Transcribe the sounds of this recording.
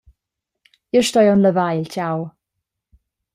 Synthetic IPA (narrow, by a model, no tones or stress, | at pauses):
jəʃtɔjɔnləvajltaw